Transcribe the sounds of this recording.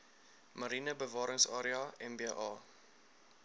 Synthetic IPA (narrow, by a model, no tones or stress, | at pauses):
mɐɾinəbəvɑːɾəŋsɑːɾiɑɛmbeʔɑː